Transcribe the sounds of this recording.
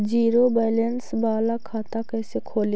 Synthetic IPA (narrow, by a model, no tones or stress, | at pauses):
d͡ʒiːɾobɛjlensbaːlakʰaːt̪akɛːsekʰoːl